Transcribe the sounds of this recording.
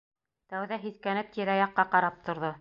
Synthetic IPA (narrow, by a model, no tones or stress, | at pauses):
t̪æwðæɦiθkænɘp̚t̪iɾæjɑqːɑqɑɾɑp̚t̪ʰŏɾðo